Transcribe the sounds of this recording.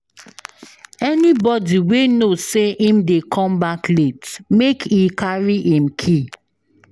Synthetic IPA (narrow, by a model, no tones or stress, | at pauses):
ɛnibɔdiwenoseʔĩmdekʰɔ̃mbakletmekʰikaɹiʔĩmkʰi